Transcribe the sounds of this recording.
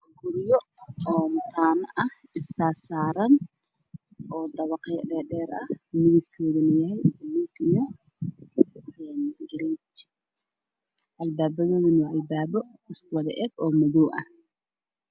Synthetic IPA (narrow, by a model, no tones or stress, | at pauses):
ɡʊɾjɔɔːmʊt̪ʰaːnɐʔɐh | ɪsaːsaːɾɐn | ʔɔːd̪ɐβɑqɛjɖɛːɗɛːɾɐhmɪðɐb̚kʰɔːðɐnɐjɐɦɛjɐluːɡjɐ | ɛːnd̪ɡɐɾɛt͡ʃ | ʔɐlbaːbɐðɔːðɪnɔʔɐlbaːβɔ | ɪskʊwɐðɐʔɛːɡ̥ɔːmɐðɔːʔɐ̰h